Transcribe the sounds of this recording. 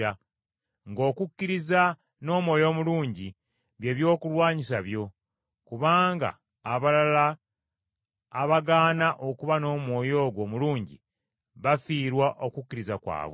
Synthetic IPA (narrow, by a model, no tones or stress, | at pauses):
a | ŋɡo̞ːkukːiɾiza | no̞ːmwo̞ːjo̞ːmuluːɲɟi | βje̞ːβjo̞ːkulwaːɲisaβjo̞ | kuβaːŋɡa̰ː | βalala | βaɡaːnaʔo̞kuβano̞ːmwo̞ːjo̞ːɡwo̞ːmuluːɲɟḭ | βafiːɾwaʔo̞kukːiɾizakwa̰ːβwe